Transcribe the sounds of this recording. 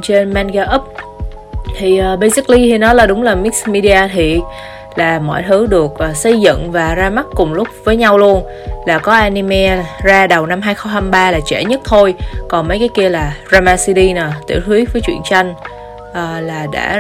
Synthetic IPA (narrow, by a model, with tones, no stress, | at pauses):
t͡ɕe˧nma˧nɣaː˧ʔə˦˥p̚ | t̪ʰi˨˩ʔəː˨˩ɓə˧jsi˦˥k̚li˧t̪ʰi˨˩nɔ˨˦jlaː˨˩ɗʊ˨˦ŋ͡mlaː˨˩mi˦˥k̚smi˧ɗi˧aː˧t̪ʰi˨˩ | laː˨˩mɔ̰˧˨jt̪ʰɨ˨˦ɗɨ˨˩ək̚ʔəː˨˩sə˧jzɨ̰˧˨ŋvaː˨˩zaː˧ma˦˥t̚kʊ˨˩ŋ͡mlʊ˦˥k͡p̚vəː˨˦jɲa˧wlu˧ən | laː˨˩kɔ˨˦ʔaː˧ni˧mɛ˧zaː˧ɗə˨˩wna˧mɦaː˧jxə˧wŋ͡mhaː˧mɓaː˧laː˨˩t͡ɕɛ̰˧˩ɲə˦˥t̚t̪ʰo˧jkɔ˨˩nmə˨˦jkaː˨˦jki˧əlaː˨˩zaː˧maː˧si˧t̪i˧nəː˨˩t̪ḭ˧˩˨wt̪ʰwi˨˦vəː˨˦jt͡ɕwi˧˨ənt͡ɕa˧jŋ̟ | ʔəː˨˩laː˨˩ɗa̰ː˧˥